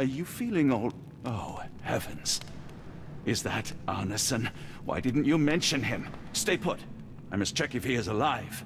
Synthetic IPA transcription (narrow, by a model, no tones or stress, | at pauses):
ə˞jɨfilˠɪ̃ŋoʊlˠd | oʊhɛvɨ̃nz̥ | ɪzðɨɾʔɜ˞nɨsɨ̃nwa̰ɪdɪdⁿn̩t͡ʃɨmɛ̃nʃɨ̃nɪ̃msteɪpʰʊ̰t | ãɪmʌstt͡ʃʰɛkɨfiɨzəlaɪv̥